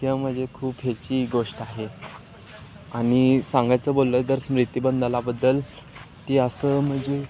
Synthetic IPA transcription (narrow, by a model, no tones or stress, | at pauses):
t̪jãm̤əd͡zekʰuːpɦet͡ɕiːɡoʂʈaɦe | aɽ̃isãŋɡajt͡səːbolːəd̪əɾsmɾit̪ibənd̪əlabəd̪ːəl | t̪iːəsəːm̤əd͡ze